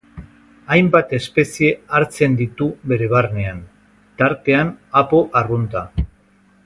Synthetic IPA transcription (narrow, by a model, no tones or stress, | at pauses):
ajmbat̪e̞spe̞sie̞aɾt͡se̞nd̪it̪uβe̞ɾe̞β̞arne̞an | t̪aɾt̪e̞anapo̞ʔarunt̪a